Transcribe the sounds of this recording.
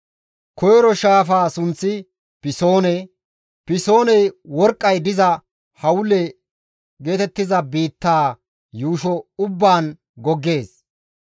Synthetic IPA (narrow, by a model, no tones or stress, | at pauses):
kɔjɾɔʃaːfaːsʊnt͡sːɪ | pɪso̞ːnɛ | pɪso̞ːnɛjwɔɾkʼːɐjd̪ɪzɐ | hɐwʊlɛ | ɡe̞ːt̪ɛt̪ːɪzɐbiːt̪ːaː | juːʃɔʊbːaːn | ɡɔɡːe̞ːs